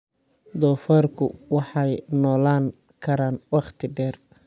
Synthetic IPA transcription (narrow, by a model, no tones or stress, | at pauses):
d̪ɔːfɐrkʰʊ̰wɑħɑjnɔːlaːŋ | kʰɐɾaːnwɑχt̪ʰɪɖɛːr